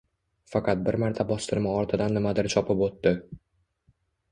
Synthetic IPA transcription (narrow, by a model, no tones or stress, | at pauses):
fɑqɑt̪̚bɪɾmaɾt̪ʰabɒst̪ɪɾmaɒɾt̪ʰɪd̪anːɪmad̪ɪɾt͡ʃʰɒpʰɪpot̪ːɪ